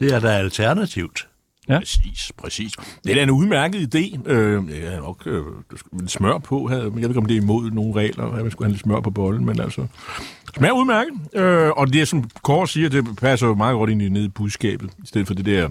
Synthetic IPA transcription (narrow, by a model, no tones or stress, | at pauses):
d̥e̝æɐd̥ɑælt͡sʰæɐnæt͡sʰiʊ̰d̥ | sḭːspʰʁɛsḭːsd̥ed̥æɐenuð̞ˠmæɐɡ̥əð̞̩ˠid̥e̝̰ːøjæhæð̩ˠnɒ̽ɡ̥ød̥sled̥smɶɐ̰pʰɔ̽ɦæðˠeɡeeɡɒmd̥e̝ɐimo̝ð̰ˠno̝ːn̩ʁɛ̰ːlɐæmænsɡ̥uhænled̥smɶɐ̰pʰɒ̽b̥ɒ̽ln̩menælsɒsmæɐ̰uðˠmæɐɡ̥əð̩ˠøɒ̽d̥e̝æsɒ̽mkʰɒːd̥siːɐd̥e̝pʰæsɐjo̝mɑ̈ːð̩ɡ̥ɒ̽ɾ̥e̝nine̝ð̞̰ˠib̥uðˠsɡ̥ɛ̰ːb̥ð̞̩ˠisd̥eð̰̩ˠfɒ̽d̥ed̥eɐ